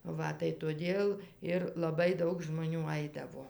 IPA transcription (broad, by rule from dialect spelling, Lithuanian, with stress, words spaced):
ˈʋɐ tɐɪ toːˈdʲeːlˠ ˈɪr lˠɐˈbɐɪ ˈdɐʊk ʒmoːˈnʲuː ˈɐɪdɐʋoː